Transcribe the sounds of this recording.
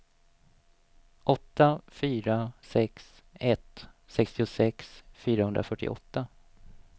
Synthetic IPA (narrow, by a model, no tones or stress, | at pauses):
ʔɔt̪ːafyːɾasɛks | ɛt̪sɛkst̪ɪʊsɛksfyːɾahɵnd̪ɾafœʈːɪ̰ʔɔ̰t̪ːa